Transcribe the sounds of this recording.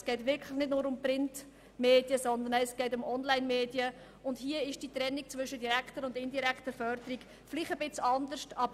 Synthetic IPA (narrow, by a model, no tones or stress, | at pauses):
sɡ̥ɛɪtʋɪɾkʰləχnɪdnʊːɾʊmpɾɪnt | meːd̥iəsɔnd̪ənɛɛsɡ̥ɛɪtʊmʔɔnlaɪnmeːd̥iə | ʊndhiəɪʃd̥it̪ɾɛnːik̚t͡svʏʃədiɾæktəɾʊndɪndiɾæktəfœɾd̥̪əɾik | fliχəbɪt͡sɑnd̪əɾʃtɑbə